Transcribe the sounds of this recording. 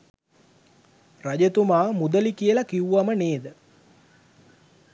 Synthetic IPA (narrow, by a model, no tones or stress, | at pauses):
raɟət̪umaːmud̪əlikiəlakiwuʋaməneːd̪ə